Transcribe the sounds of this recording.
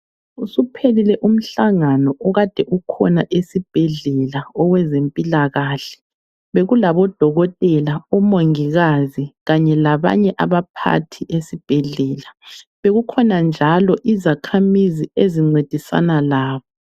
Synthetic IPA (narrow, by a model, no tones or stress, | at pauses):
usupʰelilɛʔum̩ɬaŋanɔʔɔɣad̥ʱɛʔukʰɔ̰naʔesib̥ʱɛɮɛlaɔwɛzempʼilaɣaːɬɛ̥ | βeɣulaβɔd̥ʱɔɣɔtʼɛlaɔmoŋiɣaziɣaɲɛlaβa̰ɲɛʔaβapʰa̰tʰiʔesib̥ʱɛɮɛːlaβeɣukʰɔnand͡ʒʱalɔʔizakʰamizieziŋ͡ǀed̥ʱisa̰nalaːβɔ